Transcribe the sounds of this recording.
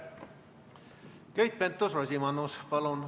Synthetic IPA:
kejt̪̚pent̪ːosɑsimɑnospɑlon

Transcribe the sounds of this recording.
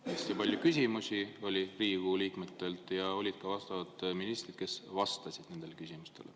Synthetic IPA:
est̪ipɑlʲjukysʲimusʲio̞lʲiriːɡ̥uliːkme̞t̪ːe̞lt̪ˑjɑo̞lʲid̪̥kɑvɑst̪ɑvɑt̪ˑminist̪rid̪̥ke̞svɑst̪ɑsʲid̪̥ne̞nd̪̥e̞lekysʲimust̪e̞̰lḛ

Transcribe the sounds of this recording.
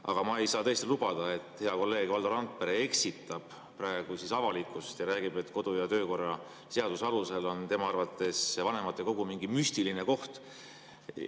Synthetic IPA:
ʔɑ̰ɡ̥ɑmɑejsɑːt̪ɤest̪ilub̥ɑd̪̥ɑe̞t̪ːˑhe̞ɑko̞lːe̞ːɡ̥vɑld̪ɑɾɑnt̪̚peɾee̞ksit̪ːˑɑb̥ | pɾɑeɡ̥usisɑvɑlikːˑust̪jɑɾæːɡ̥ibe̞t̪ːˑko̞d̪̥ujɑt̪øːko̞rːɑ | se̞ɑd̪̥usɑluse̞lo̞nt̪e̞mɑɑrvɑt̪ːˑe̞svɑne̞mɑt̪ːˑeko̞ɡ̥umiŋɡimyst̪ilineko̞ht̪

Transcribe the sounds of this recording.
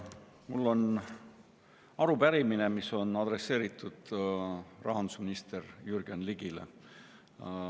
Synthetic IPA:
mulːo̞n | ɑɾubæɾimine̞miso̞nɑd̪re̞sːe̞ːɾit̪ːˑud̪̥ | rɑ̰ɦɑnd̪u̥sminist̪e̞rjyrɡ̥ɑnliɡ̥ilḛ

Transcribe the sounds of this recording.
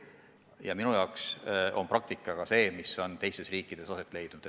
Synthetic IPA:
jɑminujɑoksʔo̞nprɑk̚t̪ikːˑɑɡ̥ɑse̞ːmiso̞nt̪e̞jst̪e̞sriːkːˑid̪̥e̞sɑse̞t̪ːˑle̞jd̪̥nud̪̥e

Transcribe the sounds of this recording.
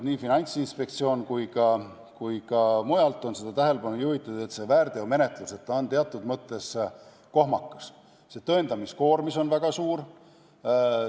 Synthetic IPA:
niːfinɑnʲt̪sinspe̞k̚t̪sio̞ːnkujkɑ | kujkɑmujɑlt̪ːˑo̞nse̞d̪̥ɑt̪æɦe̞lepɑnujuhit̪ːˑɑu̥e̞t̪se̞væːɾd̪e̞ome̞ne̞t̪ˑluse̞t̪ːɑont̪eɑt̪ːˑud̪mɤt̪ːˑe̞s | ko̞hmɑkːˑɑs | set̪ɤ̞end̪̥ɑmisko̞ːɾmiso̞nvæɡ̥ɑsuːr

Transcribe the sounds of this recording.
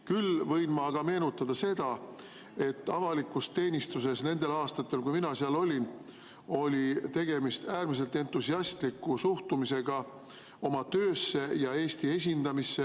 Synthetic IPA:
kylvɤ̞jnmɑːɡ̥ɑme̞ːnut̪ːˑɑd̪̥ɑse̞d̪ɑ | e̞t̪ːˑɑvɑlikːˑust̪e̞ːnʲist̪use̞sne̞nd̪̥elɑːst̪ɑt̪ːˑe̞lkujminɑseɑlo̞lʲin | o̞lʲit̪e̞ɡ̥e̞mist̪æːrmis̬e̞lt̪ːe̞nt̪ːˑusiɑst̪likːˑusuht̪umise̞ɡ̥ɑ | o̞mɑt̪ø̞ːsːe̞jɑe̞ːst̪ie̞s̬ʲind̪̥ɑmisːe

